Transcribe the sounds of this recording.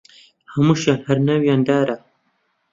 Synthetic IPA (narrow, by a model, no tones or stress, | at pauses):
hɐmuʃanhɐɾnawjaːnd̪aːɾa